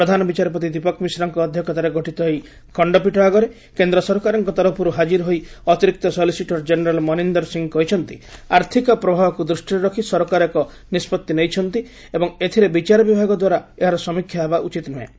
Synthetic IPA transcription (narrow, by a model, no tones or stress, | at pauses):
pɾɔd̪ʱanɔbit͡ʃaɾɔpɔt̪̬id̪ipɔkmisɾɔŋkɔːd̪ʱjɔkʰɔt̪aɾeɡʱɔʈit̪ɔɦej | kɔɳɖɔp̬iʈɔɦaɡɔɾe | kend̪ɾɔsɔɾkaɾɔŋkɔt̪ɔɾɔpʰɔɾuɦad͡ʒiɾɔɦojɔt̪iɾik̚t̪ɔsɔlisiʈɔɾd͡ʒeneɾalmɔnind̪ɔɾsiŋkɔɦit͡ʃʰɔnt̪iaɾt̪ʰikɔpɾɔbʱabɔkud̪ɾusʈiɾɔɾɔkʰisɔɾɔkaɾekɔ | nispɔt̪ːinejt͡ʃʰɔnt̪i | ebɔŋet̪ʰiɾebit͡ʃaɾɔbibʱaɡɔd̪waɾaeɦaɾɔsɔmikʰːjaɦebaʔut͡ʃit̪nuḛ